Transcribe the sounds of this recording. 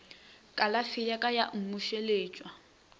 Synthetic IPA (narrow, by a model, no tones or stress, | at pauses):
kʼalafɪjakʼajaʔŋ̩muʃeleːt͡ʃʼwa